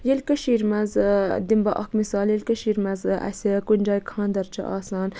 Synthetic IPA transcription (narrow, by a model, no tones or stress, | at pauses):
jelʲkɐʃiːɾmɐzd̪imbɐʔɐ̰kmisaːljelʲkɐʃiːɾmɐzɐ̰sʲikunʲd͡ʒaːjkʰãːnd̪ɐɾt͡ʃʰɐ̰ʔaːsaːn